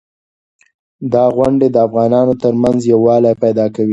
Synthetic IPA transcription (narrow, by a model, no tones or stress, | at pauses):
d̪ɑɣwaɳɖed̪əafɣɑnɑnot̪əɾmanzjawːɑlajpajd̪ɑkawi